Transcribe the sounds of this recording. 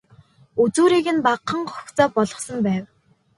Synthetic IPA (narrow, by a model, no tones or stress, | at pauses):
ut͡suːɾiːɣɘ̆npaqːə̆ŋχɔxt͡sɔːpɔɮɞ̆χsə̆mpæːw